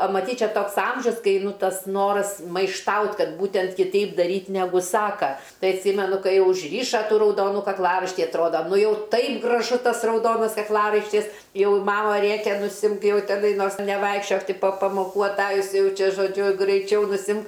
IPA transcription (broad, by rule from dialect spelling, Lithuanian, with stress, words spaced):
ɐ mɐˈtʲiːtʲ ˈt͡ʃʲɛ ˈtoːks ˈɐmʲʒʲʊs ˈkɐɪ ˈnʊ ˈtɐs ˈnoːrɐs mɐɪʃˈtɐʊtʲ ˈkɐt ˈbuːtʲɛnt kʲɪˈtʲɛɪp dɐˈrʲiːtʲ nʲɛˈɡʊ ˈsɑːkɐ ˈtɐɪ ɐtʲˈsʲiːmʲɛnʊ ˈkɐɪ jɛʊ ʊʒʲˈrʲiːʃɐ rɐʊˈdoːnʊ kɐkˈlˠɑːrɐɪʃʲtʲiː ɐtˈroːdɐ ˈnʊ ˈjɛʊ ˈtɐɪp ɡrɐˈʒʊ ˈtɐs rɐʊˈdoːnɐs kɐkˈlˠɑːrɐɪʃʲtʲɪs ˈjɛʊ ˈmɑːmɐ ˈrʲeːkʲɛ nʊˈsʲɪmk ˈjɛʊ tʲɛˈnɐɪ ˈnoːrs nʲɛˈʋɐɪkʃʲt͡ʃʲoːk ˈtʲɪ poː pɐmoːˈkuː ɐˈtɑːjʊs ˈjɛʊ ˈt͡ʃʲɛ ʒoːˈd͡ʒʲʊ ɡrɐɪˈt͡ʃʲɛʊ nʊˈsʲɪmk